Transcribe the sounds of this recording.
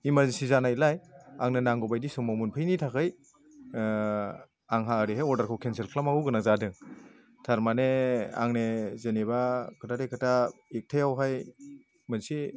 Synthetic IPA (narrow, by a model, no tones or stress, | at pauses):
imaɾnsizanailajaŋnɯnaŋɡɔbajdisɯŋmamunpʰɯjnitʰakʰɯj | aŋɦaɯɾiɦajɔɾdaɾkʰawkʰenselkʰlamaɡuɡɯnazadɯŋ | tʰaɾmanea̰ŋnezenebakʰɯtʰadekʰɯtʰaik̚tʰajawɦaj | mɯnsi